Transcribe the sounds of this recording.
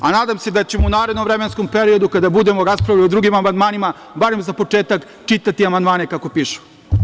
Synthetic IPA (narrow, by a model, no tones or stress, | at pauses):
anaːd̪amse̞d̪at͡ɕemounaːɾed̪noʋvɾeme̞nsko̞mpe̞ɾio̞d̪ukad̪abud̪emoɾaspɾaʋʎʲiod̪ɾuɡimamand̪maːnima | baɾe̞mzapo̞t͡ʂe̞ːt̪ak | t͡ʃit̪at̪iamand̪maːne̞kako̞piːʃu̥